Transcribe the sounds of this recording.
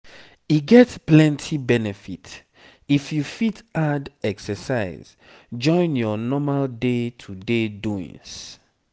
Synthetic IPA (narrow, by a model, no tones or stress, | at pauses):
iɡɛtplɛ̃ntʰibɛnɛfit | ifjufitadɛksəsaɪz̥ | d͡ʒɔ̃ɪ̃njɔnɔmaldetʰudeduḭ̃ŋs